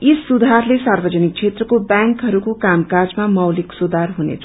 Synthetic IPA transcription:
isːud̪ʱarlesarbʌd͡zʌnik̚t͡sʰet̪rʌkobjaŋkɦʌɾukokamkard͡zmamʌwliksud̪ʱarɦunḛt͡sʰa

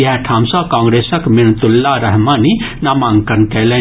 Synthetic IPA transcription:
jɐɦʈʰãːmsãkãːŋɡɾeːsɐkmint̪ulːaɾɐɦmaːninamãːŋɡkɐnkele

